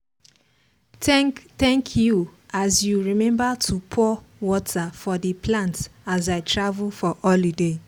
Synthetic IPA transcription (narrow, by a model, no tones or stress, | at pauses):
tɛtɛ̃ŋkʰjuazjuɹimɛ̃mbatʰupʰɔwɔtʰafɔdiplãntazaɪtɹavulfɔʔɔlide